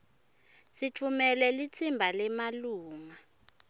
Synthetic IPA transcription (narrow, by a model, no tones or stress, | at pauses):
sit͡fʰumɛlɛlit͡sʰimbʱalɛmaluːŋa